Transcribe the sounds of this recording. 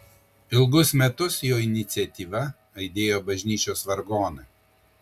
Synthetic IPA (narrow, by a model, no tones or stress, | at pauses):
ɪlˠɡʊsmʲɛt̪ʊsjoːɪnʲɪt̪sʲɛt̪ʲiːʋɐ | ɐɪd̪ʲeːjoːbɐʒʲnʲiːt͡ʃʲoːsʋɐɾɡoːnɐ